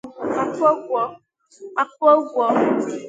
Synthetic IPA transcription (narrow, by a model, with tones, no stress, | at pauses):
a˦kɔ˦ɡʷɔ˦ | a˦ko˦ɡʷɔ˦